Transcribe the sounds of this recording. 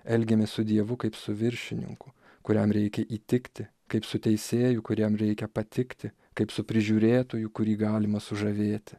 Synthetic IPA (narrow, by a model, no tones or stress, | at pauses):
ɛlʲɡʲɛmʲɛːssʊd̪ʲiɛʋʊkɐɪpsʊʋʲɪɾʲʃʲɪnʲɪ̰ŋkʊ | kʊɾʲɛmɾʲɛɪkʲɛʔiːt̪ʲɪkt̪ʲɪ | kɐɪpsʊt̪ʲɛɪsʲeːjʊkʊɾʲɛmɾʲɛɪkʲɛpɐt̪ʲɪkt̪ʲɪ | kɐɪpsʊpʲɾʲɪʒʲuːɾʲeːt̪oːjʊkʊɾʲiːɡɑːlʲɪmɐsʊʒɐʋʲeːt̪ʲɪ̥